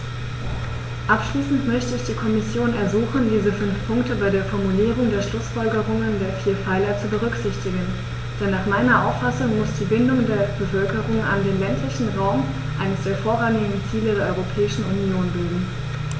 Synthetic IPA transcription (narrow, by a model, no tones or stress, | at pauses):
ʔapʃliːsn̩tmœçtəɪçd̥iːkʰɔmɪsjoːnɛɐzuːxn̩diːzəfʏnfpʰʊŋktəbaɪdeːɐfɔɐmuliːʁʊŋdeːɐʃlʊsfɔlɡəʁʊŋəndeːɐfiːɐfaɪlɐt͡subəʁ̞ʏkz̥ɪçtɪɡn̩ | d̥ɛnːaːχmaɪnɐʔa̰ʊfasʊŋmʊsd̥iːbɪndʊŋdeːɐb̥əfœlkəʁʊŋʔa̰ndeːnlɛntʰlɪçn̩ʁaʊm | ʔaɪnəsd̥eːɐfoːɐʁaŋɪɡŋ̩t͡siːlədeːɐɔʁopʰɛːɪʃn̩unjoːnbɪldm̩